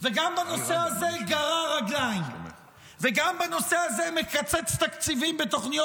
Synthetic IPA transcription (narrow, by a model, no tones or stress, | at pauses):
veɡambanoseazeɡaʁaʁaɡlajn | veɡambanoseazemekat͡sɛt͡st̪akt͡sivimbet̪oχnijo